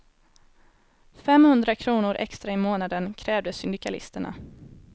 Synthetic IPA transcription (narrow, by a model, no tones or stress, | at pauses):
fɛmhɵnd̪ɾakʰɾuːnʊɾʔɛ̰kst̪ɾaɪmoːnad̪ənkʰɾɛːvd̪əsʏnd̪ɪkalɪ̰st̪əɳa̰